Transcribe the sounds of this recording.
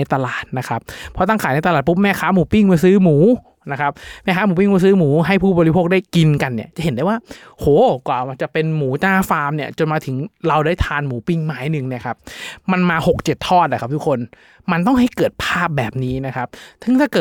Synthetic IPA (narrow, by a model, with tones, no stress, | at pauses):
a˧jt̪a˧laː˨˩t̪̚na˦˥kʰa˦˥pʰːɔ˦˥t̪a˥˩ŋkʰaː˩˦jna˧jt̪a˧laː˨˩t̪̬̚pu˦˥p̚mɛː˥˩kʰaː˦˥muː˩˦pi˥˩ŋmɯː˧sɯː˦˥muː˩˦ | na˦˥kʰa˦˥p̚mɛː˥˩aː˦˥muː˩˦p̬i˥˩mː˧˩sɯː˦˥muː˩˦ɦa˥˩jpʰuː˥˩bɔː˧ɾi˦˥pʰoː˥˩k̚daː˥˩jki˧nka˧nːi˥˩ɐt͡ɕa˨˩ʔhe˩˦ndaː˥˩jwaː˥˩ | hoː˨˩˦kwaː˨˩˧t͡ɕa˨˩pe˧nmuː˩˦t͡ɕaː˥˩faː˧mni˥˩ɐt͡ɕo˧nmaː˧jt̪ʰɯ˩˦ŋɾa˧wdaː˥˩jt̪ʰaː˧nmuː˩˦pi˥˩ŋmaː˦˥jnɯ˨˩ŋni˥˩ɐkʰa˦˥p̚ma˧nmaː˧ho˨˩k̚t͡ɕe˨˩t̪ʰːɔː˥˩t̪̚la˨˩ka˦˥t̪ʰu˦˥kʰːo˧n | ma˧nt̪ɔ˥˩ŋɦa˥˩jkɤː˨˩t̪̚pʰaː˥˩p̚bɛː˨˩p̚niː˦˥na˦˥kʰa˦˥p̚t̪ʰɯ˧˥ŋt̪ʰaː˥˩kɤː˨˩